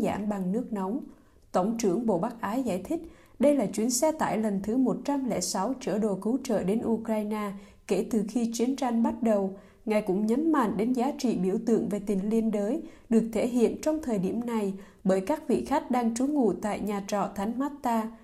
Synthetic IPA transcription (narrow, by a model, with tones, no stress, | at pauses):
za̰ː˧˩mɓa˨˩ŋnɨ˦˥ək̚nɔ˨˦wŋ͡m | t̪ə˧˩wŋ͡mt͡ɕɨ˧˩əŋɓo̰˧˨ɓa˦˥k̚ʔaː˨˦jza̰ː˧˩˨jt̪ʰï˦˥k̟̚ | ɗə˧jlaː˨˩t͡ɕwi˨˦ənsɛ˧t̪a̰ː˧˨jlə˨˩nt̪ʰɨ˨˦mo˨˩t̚t͡ɕa˧mlɛ̰˧˩sa˨˦wt͡ɕə̰˧˩ɗo˨˩kɨ˨˦wt͡ɕə̰ː˧˨ɗe˨˦nʔu˧kɾaː˧jnaː˧ | ke˧˩t̪ɨ˨˩xi˧t͡ɕwi˨˦ənt͡ɕa˧jŋ̟ɓa˦˥t̚ɗə˨˩w | ŋaː˨˩jkʊ̰˧˥ŋ͡mɲə˨˦nma̰˧˨ŋɗe˨˦nzaː˨˦t͡ɕḭ˧˨ɓḭ˧˩əwt̪ɨ̰˧˨əŋve˨˩t̪ï˨˩ŋ̟li˧ənɗəː˨˦jɗɨ˨˩ək̚t̪ʰe˧˩ɦḭ˧˨ənt͡ɕɔ˧wŋ͡mt̪ʰəː˨˩jɗi˧˩əmna˨˩j | ɓəː˧˩jkaː˦˥k̚vḭ˧˨xa˦˥jk̟̚ɗaː˧ŋt͡ɕu˨˦ŋṵ˧˨t̪a̰ː˧˨jɲaː˨˩t͡ɕɔ̰˧˨t̪ʰa˨˦jŋ̟hwaː˦˥t̚t̪aː˧